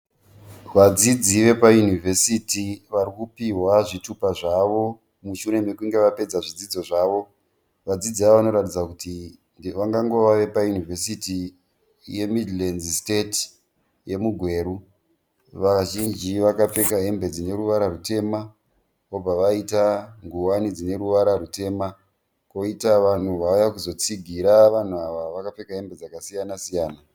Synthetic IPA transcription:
ʋad͡zid͡ziʋe̞pajunive̞sitiʋarikupiɦwaʐitupaʐaʋo̞ | muʃuɾe̞mekuŋɡe̞ʋape̞d͡zaʐid͡zid͡zo̞ʐaːʋo̞ | ʋad͡zid͡ziaoʋano̞ɾatid͡zakuti | ʋaŋɡaŋɡo̞ʋaʋe̞pajunive̞siti | je̞midlenzstet | je̞muɡʱwe̞ːɾu | ʋaʒind͡ʒiʋakap͡fe̞kaɦe̞mbe̞d͡zine̞ɾuʋaɾarute̞ma | kob͡vaʋaitaŋɡuwanid͡zine̞ɾuʋaɾarute̞ma | ko̞itaʋan̤uʋajakuzo̞t͡siɡʱiɾaʋan̤uaʋaʋakap͡fe̞kaɦe̞mbe̞d͡zakasijanasijaːna

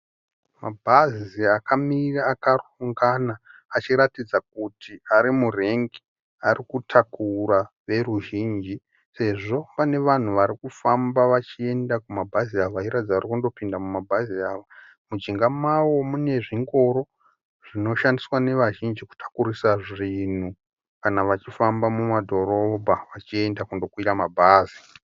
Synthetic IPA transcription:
mabʱaziakamiraːkaruŋɡanaːt͡ʃiɾatid͡zak̚utʰiaɾimure̞ŋɡi̥ | arikutʰakura | ʋe̞ruʒiːnd͡ʒi | se̞ʐo̞pane̞ʋan̤uʋaɾikufambaʋat͡ʃie̞ndakumabʱaziaʋaiɾad͡zaarikundo̞pindamumabʱaziaːʋa | mud͡ʒiŋɡamawo̞mune̞ʐiŋɡo̞ɾo̞ | ʐ̥ino̞ʃandiswane̞ʋaʒind͡ʒiku̥tʰḁkurisaʐin̤u | kanaʋat͡ʃifambamumadʱo̞ɾo̞bʱaʋat͡ʃie̞ndakundo̞kwiramabʱaːzi

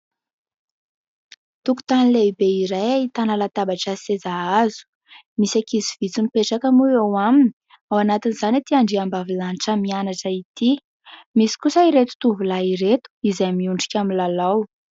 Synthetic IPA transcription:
t̪uku̥t̪anileibeiɾajait̪analat̪abaʈ͡ʂasezaazu̥ | misakizivit͡sunipeʈ͡ʂakəmuewamini̥ | awanat̪iniz̥anat̪iaɳɖ͡ʐiambavilaniʈ͡ʂəmianaʈ͡ʂəit̪i | misi̥kusəiɾet̪u̥t̪uvulaiɾet̪u̥izajmiuɳɖ͡ʐikʲaminlalaw

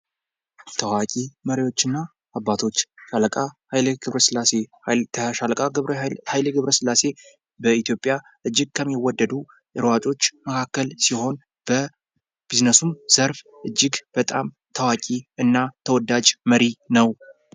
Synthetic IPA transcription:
t̪ʰəwakʼiməɾiwo̞t͡ʃːɨnːaː | bːat̪ʰo̞t͡ʃːʃalkʼahlɡɨβɾəsɨlːase | əalkʼaɨhajləɡɨβɾəsɨlːase̞ | bəit̪jo̞pʼja | ʔɨd͡ʒːɪɡ̚kʰəmːiwɔd̪ːəd̪u | ʔɨɾwat͡ʃʼo̞t͡ʃːməkʰakːəlsiho̞n | b̥ə | b̥iznəsumz̥əɾf | ʔɨd͡ʒːɪɡb̥ət̪ʼam | t̪ʰəwakʼiɨnːat̪ʰəwɔd̪ːad͡ʒməɾinəw

